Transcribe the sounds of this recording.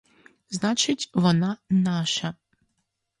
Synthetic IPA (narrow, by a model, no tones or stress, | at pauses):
znat͡ʂɘd͡ʑvɔnanaʂa